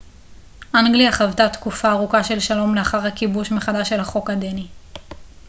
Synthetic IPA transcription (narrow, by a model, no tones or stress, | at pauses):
ʔaŋɡliaχavtat̪kufaːʁukaʃe̞lʃalo̞mleaχaʁhakibuʃmeχadaʃe̞lhaχo̞kad̪eni